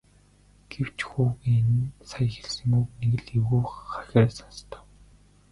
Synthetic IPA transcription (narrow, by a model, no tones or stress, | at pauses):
ɡ̥ew̥t͡ɕxuːɣiensaj̆xe̥ɮsɘ̆ŋukneɣɘ̆ɮiwuːχaxʲeːsanst̪ʰœ̥ːw